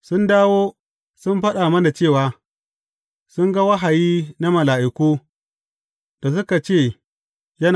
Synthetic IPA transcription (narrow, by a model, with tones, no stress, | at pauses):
sʊ˦ndaː˦woː˦ | sʊ˦mɸɐ˦ɗaː˨mɐ˦na˨t͡ʃeː˦˨waː˨˦ | sʊ˦ŋɡa˦wɐ˦ɦa˨jiː˦na˦mɐ˨laː˨ʔɪ˨kʷuː˦ | d̥a˨s̬ʊ˦ka˨t͡ʃeː˦˨ | jɐ˦n